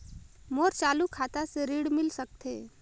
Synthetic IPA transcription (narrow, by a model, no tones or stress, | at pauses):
moːɾt͡ʃaːlukʰat̪aseɾiːɽmɪlsək̚t̪ʰḛː